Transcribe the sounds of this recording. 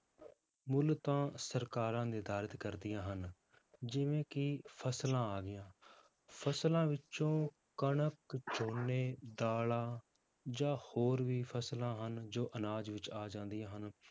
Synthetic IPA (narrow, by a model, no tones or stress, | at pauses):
mʊlt̪ãːsəɾkaːɾãːd̪eːd̪aːɾət̪kəɾd̪ɪjãːɦən | d͡ʒɪʋẽːkɪpʰəslãːaːɡɪjãː | pʰəslãːʋɪt͡ʃõː | kəɳəkt͡ʃoːnːeːd̪aːlãː | d͡ʒãːhoːɾʋiːpʰəslãːɦənd͡ʒoːʔənaːd͡ʒʋɪt͡ʃaːd͡ʒãːnd̪ɪjãːɦən